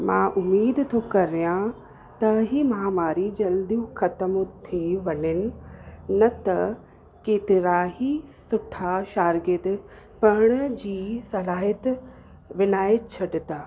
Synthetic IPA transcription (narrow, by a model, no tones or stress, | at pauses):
mãːʔʊmiːd̪t̪ʰokɐɾijã | t̪ɐɦimãːmaːɾid͡ʑɐld̪ijũxɐt̪əmʊt̪ʰiʋɐlɪnɪ̆nɐt̪ɐ | keːt̪ɪɾaːɦisʊʈʰaʃaːɾɡɪt̪̆ | pɐɽ̃̆d͡ʑiːsɐlaːɦiət̪ | ʋɪnaːjət͡ɕʰɐɖɪt̪aː